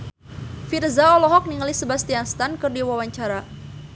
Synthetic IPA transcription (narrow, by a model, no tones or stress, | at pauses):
firzaɔlɔɦɔk̚niŋəlisəbast̪ianst̪ankɨrdiwawaɲt͡ʃaɾa